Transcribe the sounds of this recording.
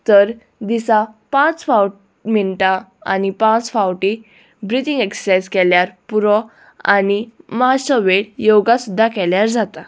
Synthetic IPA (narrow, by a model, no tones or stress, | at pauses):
t̪əɾ | d̪isapãt͡sfawʈ | miɳʈaa̰nipãt͡sfawʈi | bɾit̪iŋɡeksə̥sajskɛljaɾpuɾɔ | a̰niməɦaɕəʋeɽjoɡasud̪ʱːakɛljaɾd͡zat̪a